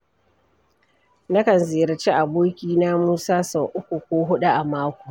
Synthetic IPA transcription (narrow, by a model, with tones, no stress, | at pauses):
nɐ˦kɐ˨nzeː˨ɾɐ˨t͡ʃe˦ʔa˨boː˦kʲiː˦na˦muː˦saː˦sɔ˨ʔʊ˦kʷu˨kʷoː˦ɦʊ˦ɗu˦ʔa˨maː˦kʷu̥˨